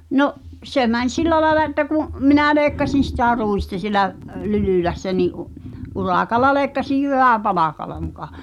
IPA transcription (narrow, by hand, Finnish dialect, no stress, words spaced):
noʔ se mænʲ silˑæ lɑĕlɑ etːæ kuʔ minæˑ leːkːɑsin̞ sitæˑ ruistɑ sielæʔ lylyˑlæsːæ niʔ u urɑˑkɑlˑɑ leːkːɑsij jyʋæˑpɑlɑkɑlɑ mukɑ